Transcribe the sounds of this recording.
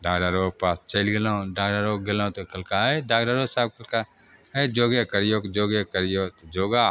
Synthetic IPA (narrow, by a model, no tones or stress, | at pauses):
ɖaːɡɾaɾoːpaːst͡ʃelɡelãɖaːɡɖaːɾoːɡelãt̪okɐlkaeɖaːɡɖaɾoːsaːb̚kɐlka | ed͡ʒoːɡekɐɾjoːkd͡ʒoːɡekəɾjoːt̪od͡ʒoːɡaː